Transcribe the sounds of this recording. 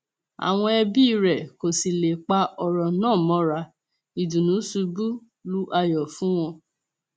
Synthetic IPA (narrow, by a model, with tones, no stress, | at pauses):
a̰˨w̃ɔ̃˧ɛ˧bi˦˧ɾɛ˨ko˨si˨le˨k͡pa˧ɔ˧ɾɔ˨nãː˦˨mɔ̃˨˦ɾa˧ | i˨dũ˨nũ˨˦su˧bu˦ | lu˦ʔa˧jɔ˨fũ˦w̃ɔ̃˧